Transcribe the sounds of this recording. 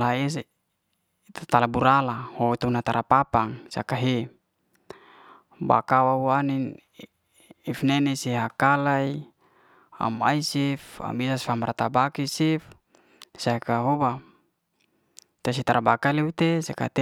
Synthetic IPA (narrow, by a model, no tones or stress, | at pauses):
laes | t̪at̪alabuɾalahot̪unat̪aɾapapaŋsakaɦe | ba̰kawawanin | ifnɛnesiɦakalai | a̰maisifa̰bisasfamaɾat̪abakisif | sakaɦoba | t̪as̬it̪aɾabakalewit̪esaka̰t̪